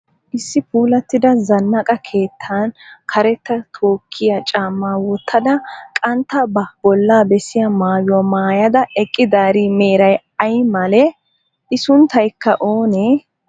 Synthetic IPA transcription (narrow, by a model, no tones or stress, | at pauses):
ʔɪsːɪpuːlɐt̪ːɪd̪ɐzɐnːɐkʼɐkʰe̞ːt̪ʰːankʰɐɾɛt̪ːɐt̪ʰoːkʰːɪjɐt͡ʃʼaːmːaːwɔt̪ʰːɐd̪ɐkʼɐnt̪ːɐbɐbɔlːaːbɛsɪjɐmaːjʊɔmaːjɐd̪ɐɛkʼːɪd̪aːɾime̞ːɾɐj | ɐjmɐlɛ | ɪsʊnt̪ɐjkːɐʔoːneː